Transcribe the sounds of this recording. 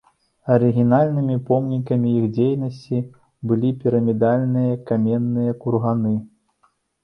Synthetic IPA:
ɐɾɨɣʲinalʲnɨmʲipɔmnʲikɐmʲiixd͡zʲejnɐsʲt͡sʲi | bɨlʲipʲiɾɐmʲid̪alʲnɨjɐkamʲɛnːɨjɐkurɣanɨ

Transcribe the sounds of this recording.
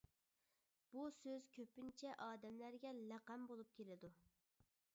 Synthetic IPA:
b̥usøz̥kʲʰøpynt͡ʃʰɛʔɑːd̪ɛmlæɾɡʲɛlæqæmbolˠup̚kʲelɪd̪u

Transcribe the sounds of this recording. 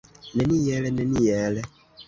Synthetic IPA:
nɛnijɛlɛnɛnijɛlɛ

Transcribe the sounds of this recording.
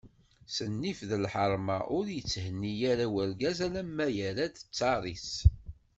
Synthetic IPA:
sənːifðəlħəɾˤmaʔʊɾjət͡sːhənːijæɾæwəɾɡæzælæmːæjæɾæd̪ə̥t͡sːɑɾˤis

